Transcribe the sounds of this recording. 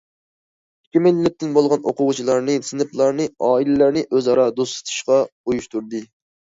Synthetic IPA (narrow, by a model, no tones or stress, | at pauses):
kʲimɪllːɪp̚ʲt̪ɪnbolˠʁɑno̰qʊʁʊt͡ʃʰilˠɑɾnɨsɨnɨplˠɑɾnɨɑːilɪlæɾnɨʔøzɑɾɑd̪ost̪ɨ̥t̪ʰu̥ʃqɑujuʃt̪uɾd̪ɨ